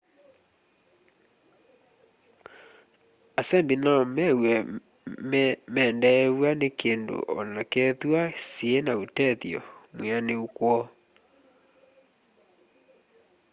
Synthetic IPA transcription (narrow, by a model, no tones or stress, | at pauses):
asɛmbinamɛwɛ | mɛːndɛwanekeːndo̰ʔɔ̰nakɛðwasienautɛðjɔ̰mwaneukwɔ